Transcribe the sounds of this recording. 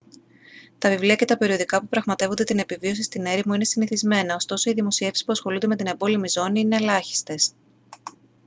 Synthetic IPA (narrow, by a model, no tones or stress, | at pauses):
t̪ɐvivliɐce̞t̪ɐpe̞ɾio̞ðikɐpupɾɐɣmɐt̪e̞vo̞nd̪et̪ine̞pivio̞sist̪ine̞ɾimuine̞siniθizme̞nɐo̞st̪o̞so̞iðimo̞sie̞fsi̥spuɐsxo̞lund̪e̞me̞t̪ine̞bo̞limizo̞niine̞lɐçi̥st̪e̞s